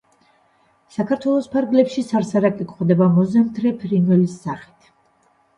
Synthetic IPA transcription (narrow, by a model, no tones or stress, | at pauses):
sakʰaɾt̪ʰwɛlˠɔspʰaɾɡlɛpʃisaɾsaɾakʼikʼχwd̪ɛbamɔzɛmt̪ʰɾɛpʰɾinɛlisːaχi̥t̪ʰ